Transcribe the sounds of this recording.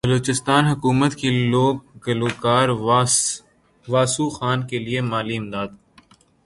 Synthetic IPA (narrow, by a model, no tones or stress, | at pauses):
bəloːt͡ʃɪst̪aːnɦʊkuːmət̪kiloːɡ̚ɡɐloːkaːɾ | ʋaːsuxaːnkeliemaːliɪmd̪aːd̪